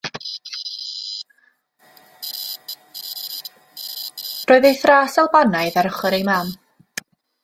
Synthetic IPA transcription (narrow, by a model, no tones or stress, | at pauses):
roːɨðejθraːsalˠbanajðaɾəχəɾejmam